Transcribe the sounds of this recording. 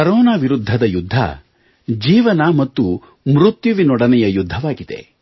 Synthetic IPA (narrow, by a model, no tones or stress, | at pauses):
kɐɾɔːnaːʋiɾud̪ʱːɐd̪ɐjud̪ʱːɐ̰ | d͡ʒiːʋɐnamɐt̪ːu | mɾut̪juʋinɔɽɐnɛjɐjud̪ʱːɐʋaːɡid̪ḛ